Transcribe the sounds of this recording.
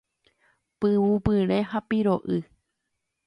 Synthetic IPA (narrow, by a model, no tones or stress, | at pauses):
pɨwupɨɾẽ̞ɦapiɾoʔɨ